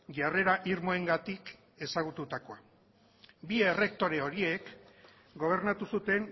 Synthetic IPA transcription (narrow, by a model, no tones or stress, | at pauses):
ʝare̞ɾaʔiɾmo̞e̞ŋɡat̪ik | e̞saɣ̞ut̪ut̪ako̞a | bie̞re̞k̚t̪o̞ɾe̞o̞ɾie̞k | ɡo̞β̞e̞ɾnat̪usut̪e̞ŋ